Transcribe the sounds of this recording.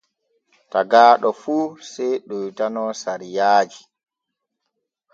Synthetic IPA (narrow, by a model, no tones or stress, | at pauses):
taɡaːɗɔfuːsɛjɗɔjtanɔːsaɾijaːd͡ʒi